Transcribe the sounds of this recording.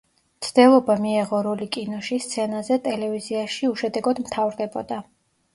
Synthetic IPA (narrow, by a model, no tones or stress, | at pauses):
t̪sʰd̪̥ɛlˠɔbamiɛʁɔɾɔlikʼinɔʃist̪sʰɛnazɛt̪ʼɛlɛviziaʃiuʃɛd̪ɛɡɔd̪mt̪ʰavɾd̪ɛbɔd̪a